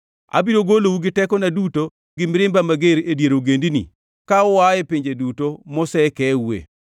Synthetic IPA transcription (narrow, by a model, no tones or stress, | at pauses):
a̰biɾoɡolouɡɪtɛkɔnaduto | ɡɪmɪɾɪmbamaɡeɾedjeɾoɡendinḭ | kaɔwajɛpiɲd͡ʒedutomɔsɛkɛuḛ